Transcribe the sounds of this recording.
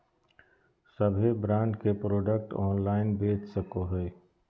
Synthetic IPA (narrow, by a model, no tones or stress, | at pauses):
səbʱebɾãːɳɖkepɾoːɖək̚ʈɔːnlaːɪnbeːt͡ʃsəkoɦɛː